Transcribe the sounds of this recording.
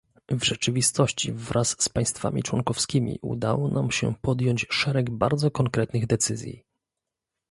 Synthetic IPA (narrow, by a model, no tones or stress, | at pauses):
vʐɛt͡ʂɘvʲist̪ɔɕt͡ɕivɾʔasːpaj̃st̪fa̰mʲḭt͡ʂwɔŋkɔfskʲimʲḭʔṵd̪a̰wɔnʔamɕɛ̰pɔd̪jɔɲt͡ɕʂɛɾɛɡbaɾd̪zɔkɔŋkɾɛt̪nɘɣd̪ɛt̪sɘzʲjḭ